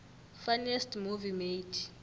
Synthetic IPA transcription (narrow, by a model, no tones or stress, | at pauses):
fanɛstmuvimejtʰi̥